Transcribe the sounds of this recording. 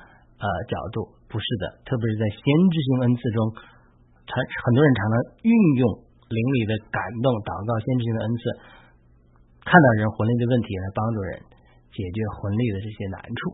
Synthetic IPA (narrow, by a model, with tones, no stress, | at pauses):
ə˧t͡ɕjɑ̰˨˩ʊt̪u˥˩ | pu˧˥ʂɻ̩˥˩d̪ə̰˩t̪ʰɤ˥˩p̬jʂɻ̩˥˧t͡sa˥˩ɪɕjɛ˥nʈ͡ʂɻ̩˥˧ɕ̬i˧˥ŋə˥nt͡sʰɹ̩˥˩ʈ͡ʂʊ˥ŋ | ʈ͡ʂʰxə˨˩nt̪wɔ˥ɻə˧˥nʈ͡ʂʰɑ˧˥ŋnʰɑ˧˥ŋy˥˧njʊ˥˩ŋ | li˧˥ŋli˨˩d̪ə˦ka˨˩nt̪ʊ˥˩ŋt̪ɑ˨˩ʊkɑ˥˩ʊɕjɛ˥nʈ͡ʂɻ̩˥˩i˧d̪ə˧ə˥nt͡sʰɹ̩˥˩ | kʰa˥˧nt̪ɑ˥˩ɻə˧˥nxwə˧˥nli˥˩d̪ə˩wə˥˩nt̪ʰi˧˥la˧˥ɪpɑ˥ŋʈ͡ʂu˥˩ɻə̰˧˥n | t͡ɕjɛ˨˩t͡ɕɥɛ˧˥xwə˧˥nli˥˩d̪ə˩ʈ͡ʂɤ˥˩ɕjɛ˥na̰˧˥nʈ͡ʂʰu˥˩